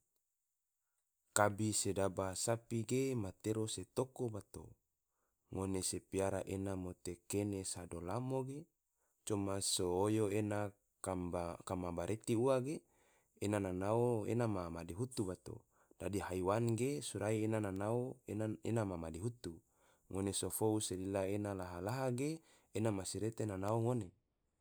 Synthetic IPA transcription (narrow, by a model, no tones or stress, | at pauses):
kabisedabasapiɡemat̪eɾoset̪okobat̪o̰ | ŋonesepiaɾaʔenamot̪ekenesadolamoɡe | t͡ʃomasoːjoena | aakamabaɾʔet̪iuaɡeː | nananaoḛnamamadiɦut̪ubat̪o̰ | d̥adiɦaiwanɡesuɾaienananaoenamamadiɦut̪u | ŋonesofouselilaenalaɦalaɦaɡeː | namasiɾet̪enanaoŋone